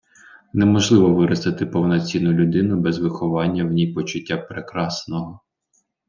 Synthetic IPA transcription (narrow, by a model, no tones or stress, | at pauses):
nɛmɔʒlˠɪʋɔʋɪɾɐst̪ɐt̪ɪpɔwnɐt͡sʲinːʊlʲʊd̪ɪnʊbɛzʋɪxɔʋɑnʲːɐwnʲijpɔt͡ʃʊtʲːapɾekɾɑsnɔɦɔ